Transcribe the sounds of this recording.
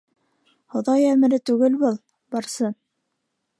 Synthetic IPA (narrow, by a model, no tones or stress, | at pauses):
hŏðɑjæmɘ̆ɾɘt̪ʉɡɘlbɤlˠ | bɑɾsɤ